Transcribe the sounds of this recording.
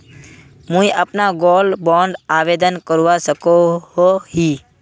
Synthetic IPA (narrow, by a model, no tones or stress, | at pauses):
mũiʔəpnaɡoːlbɔ̃ɳɖaːʋed̪ənkəɾuʋasəkoɦoɦi